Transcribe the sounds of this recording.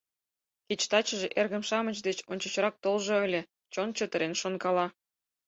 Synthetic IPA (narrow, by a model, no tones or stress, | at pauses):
kʲit͡ɕt̪ɑt͡ɕə̆ʒeʔerɣə̆mʃɑmət͡ɕd̪et͡ɕonʲt͡ɕə̆t͡ɕɾɑk̚t̪olʒoə̆lʲe | t͡ɕont͡ɕət̪ə̆ɾenʃonkɑlɑ